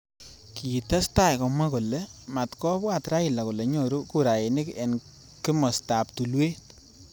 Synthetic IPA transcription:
ki˨tɛ˦sta˦˨jkɔ˨ma˦ko˨le˨˦ma˨tkɔ˦bwa˨tɾa˦ɪ˨la˨ko˨le˨ɲo˦˨ɾu˦ku˦˨ɾa˨je˨nɪ˦kɛ̰˨n | ki˦mɔ˨sta˨ptu˨lwe˦t

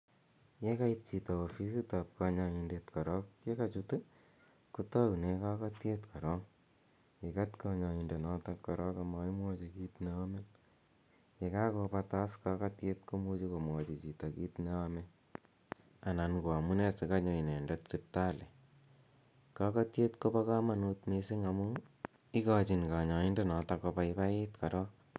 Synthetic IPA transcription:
je˦ka˦it̚t͡ʃi˨ta˨o˨fi˦s̬i˦ta˨p̚ka˧ɲa˧indetkɔ˨ɾɔ˦kje˦kat͡ʃutu | ku˦ta˦u˨ne˦ka˦ka˦tje˦tkʰa˨ɾɔ˦ŋ | e˨ka˦tkaɲa˧inde˨nɔta˧kːɔ˨ɾɔ˦ka˧ma˧i˦mwɔ˦t͡ʃi˧ki˦tne˧a˦me˦l | e˨ka˦ko˧pa˧ta˦ska˦ka˦tje˦tko˦mu˦t͡ʃiko˨mwɔ˨t͡ʃi˨t͡ʃi˨ta˨ki˦tne˦ame | a˨na˨nko˨a˨mu˦ne˦si˨kaɲo˨i˨ne˨ndo˦tsi˧p̚ta˦le˨ | ka˦ka˦tje˦tko˦pa˦ka˦ma˨nu˧tmese˦ŋamu | i˦ka˦t͡ʃi˨nka˨ɲa˨i˦nde˦nɔ˨tako˧pa˦ipa˦ji˦tka˨ɾɔ˦k̚

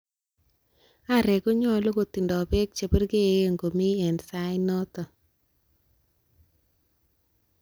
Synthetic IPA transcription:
a˦˨ɾe˨ko˦ɲɔ˦lo˦ɡo˨t̪i˨ndɔ˨be˦k̚t͡ʃe˨bə˦ɾɡe˦˨ŋɡo˨mi˦ɛ˨nsa˦ɪ˦nɔ˦t̪ɔ˨

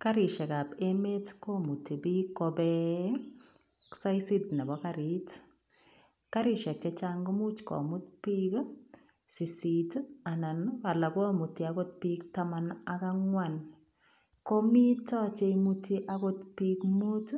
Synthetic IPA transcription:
ka˦ɾi˨ʃɛ˨ka˨pe˦me˦tko˦mu˨ti˨bi˦kːɔbɛ | ksa˦jsi˦tnɛ˨bɔ˦ka˦ɾi˦t | ka˦ɾi˨ʃɛ˨k̚t͡ʃɛt͡ʃaŋɡɔ˦mu˦t͡ʃkɔ̰˨mʊ˦tpi˦k | si˨si˨ta˨na˨nwa˨la˨kɔ˦mu˨ti˨a˨ko˦t̚piktamanaka˦ŋwan | ko˦mi˦tɔ˦t͡ʃe˧muti˦ʔa˦ko˦tpi˦kmu˦t

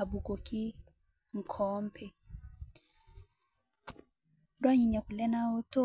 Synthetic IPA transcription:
a˨bu˨ko˨ki˦ | ŋ̩˨kʰɔ˨˦m̩˦pʰɛ˨ | dwa˦ɲi˨ɲa˨ku˨lɛ˦na˦o˦to˦

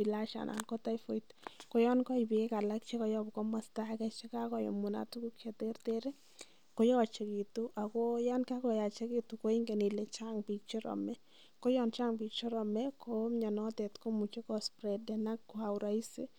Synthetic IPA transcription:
ila˦ʃa̰˨nʔa̰˨nko˦ta˦jfo˨itko˦jɔ˦nkɔ˦ibi˨ke˦ka˨la˦k̚t͡ʃe˦kɔ˦jɔ˦bkɔ˦ma˦sta˦kɛ˦t͡ʃe˦ka˦kɔ˨jo̰˨mu˨na̰˨tu˦ku˦kje˨te˦ɾteɾe˦ | ko˦jɔ˦˨t͡ʃe˨ki˨tu˦ʔa˨ko˦ja˦nka˦kɔ˨ja˨t͡ʃe˦ki˦tu˨ko˦i˦ŋɡe˨ni˨le˨t͡ʃaŋbi˨k̚t͡ʃɔ˦ɾɔ̰˨mɛ˦ | ko˦jɔ˦nt͡ʃa˦ŋbik̚t͡ʃɔ˦ɾɔ˨mɛ˦ko˦ɲɔ˨nɔ˦tɛ˨tko˦mu˨t͡ʃe˦kɔ˦spɾɛ˨dɛ˨na˦kːua˨ʊɾa˨i˦sḛ˦

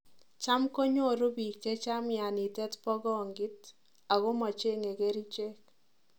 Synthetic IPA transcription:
t͡ʃa˦mko˦ɲo˦˨ɾu˦bi˨kːe˦t͡ʃa˦mja˨ni˨tɛ˦tpɔ˦ɡɔ˦˨ŋɡɪ˦t | a˨ɡo˦ma˨t͡ʃe˦ŋe˨ɡe˦ɾi˦t͡ʃe˦k̚

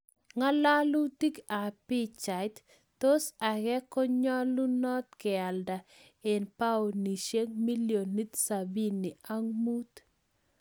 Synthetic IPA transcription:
ŋa˦la˦lu˦ti˦ka˨pi˦t͡ʃa˨jt̪ː | o˦sa˨ɡɛ˦kɔ˦ɲɔ˦lu˦nɔ˦t̪̚kɪ˨a˨lda˨ | e˨npa˦o˨ni˨ʃe˦ŋmi˦ljo˨nːi˦t̪sa˨bi˦nːi˨a˦ŋmu˦t̪

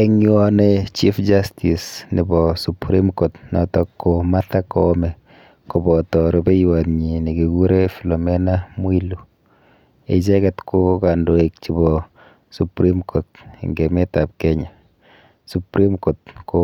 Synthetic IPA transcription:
ɛŋɔ˦net͡ʃi˦fd͡ʒastisnɪ˨bɔ˨supɾi˦mko˨tnɔ̰˨tɔ˦kːoma˦ta˦komɛ˨ | ko˨bɔ˨tɔ˨ɾe˨be˦jwatɲi˨nɪ˨ke˨ɡu˦ɾe˦fi˨lɔ˨mɛnamwi˦lu˨ | ḛ˨t͡ʃɛ˦kɛtkʰʊ˦ka˨ndo˨e˨k̚t͡ʃi˨bɔ | su˨pɾi˦mkʰo˨t̚ŋɡe˨me˦ta˨p̚kɛɲa˨ | su˨pɾi˦mko˨t̚ko

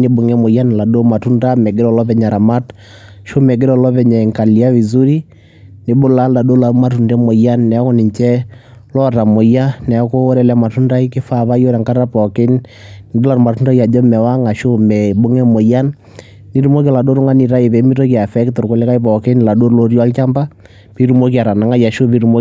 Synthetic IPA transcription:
nɪ˨bʊ˨ŋɛ˦mo˨ja˦n˨la˨do˦ma˨tu˦nda˦mɛ˨ɡɪ˦ɾɔ˨lɔ˦pɛ˨ɲa˨ɾa˨ma˦t | ʃo˦mɛ˨ɡɾɔ˨lɔ˦pɛ˨ɲa˨i˨ŋka˨li˨a˦wi˨zu˦ɾi˦ | nɪ˨bʊ˦la˦lla˨do˦la˨˦ma˦tu˨ndɛ˦mo˨ja˦nːɛ˨˦kɔ˦nɪ˨ɲt͡ʃɛ˦ | lɔ˦ta˨mo˨ja˦nɛ˨˦ko˦ɾɛ˨lɛ˨ma˨tu˦nda˦i˦kɪ˦fa˦˨βa˦jo˦ɾɛ˨ŋka˦a˦pɔ˨kɪ˦n | nɪ˨do˦la˨ɾma˨tu˦nda˦ja˨d͡ʒɔ˦mɛ˨wa˦ŋa˨ʃo˦mɛ˨bo˦ŋɛ˦mo˨ja˦nː | i˦ɾu˦mo˦k̬ɛ˨la˨do˦ɾʊ˦ŋa˦ni˨ɾa˦ɪ˨bɛ˨˦mi˦ɾo˦ki˨a˨fɛ˦ktʊ˨ɾkʊ˨lɛ˦ka˦i˦pɔ˨kɪ˦n˨la˨do˦lo˦ɾi˦a˦lt͡ʃa˦mba˦ | pi˦ɾu˦mo˦ki˨a˨ɾa˨na˨ŋa˦ja˨ʃo˦pi˦ɾu˦mo˦

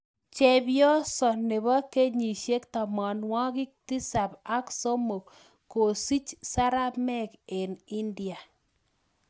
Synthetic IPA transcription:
t͡ʃɛ˨bjɔ˦sɔ˨ne˨βɔ˦ke˦ɲi˨ʃje˦kta˨mɔ˨nwɔ˦kɪ˦k̚ti˦sa˨pa˦kso˦mo˨k | ko˨si˦t͡ʃsa˦ɾa˦pmɛ˦ke˨nɪ˦ndi˨a˨

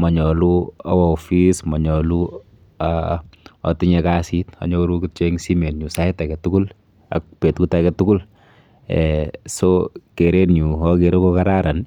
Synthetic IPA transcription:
mɔ˨ɲɔ˨luɔ̰˦wɔ˨fismɔ˨ɲɔ˨lu | a | ɔ̰˨tiɲɛkasita̰˨ɲɔ˦ɾukit͡ʃɛŋsi˦mɛ˨tɲu˨sa˦ɛta˨kɛtu˦kʊ˦l | a̰k̚pɛ˨tkuta˦kɛtukʊ˦l | ɛsoke˨ɾetɲu˨ɔke˨ɾo˦kokaɾaɾa˨n

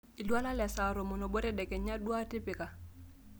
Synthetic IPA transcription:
i˨lwa˦la˦lɛ˨sa˨ɾo˨mɔ˨no˨bo˦ɾɛ˦dɛ˨kɛ˨ɲa˦dwa˦tɪ˦pɪ˨ka˨

